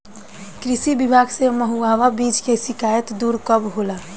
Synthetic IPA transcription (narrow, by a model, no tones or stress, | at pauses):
kɾisibibʱaɡseməɦuaʋabid͡ʒkesikajət̪d̪uɾkəbɦola